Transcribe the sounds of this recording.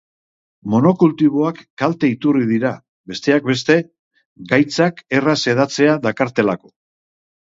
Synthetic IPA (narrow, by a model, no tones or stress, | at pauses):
mo̞no̞kult̪iβ̞o̞akːalt̪e̞it̪uriðiɾa | βe̞st̪e̞ak̚be̞st̪e̞ | ɡajt͡sake̞rase̞ð̞at͡se̞aðakaɾt̪e̞lako̞